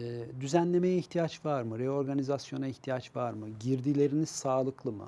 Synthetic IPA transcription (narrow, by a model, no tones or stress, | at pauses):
d̪yzænlʲe̞me̞jɛiçt̪ʰijat͡ʃvaɾmɯɾeo̞ɾɡanizasjo̞naiçt̪ʰijat͡ʃvaɾmɯɟiɾd̪ilʲe̞ɾiniz̥saːlˠɯklˠɯmɯ̰